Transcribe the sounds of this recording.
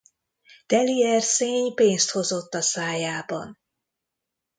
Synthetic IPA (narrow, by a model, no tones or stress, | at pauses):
d̪̥ɛliɛrseːɲpeːnst̪ho̞zo̞t̪ːɒsaːjaːbɒ̰n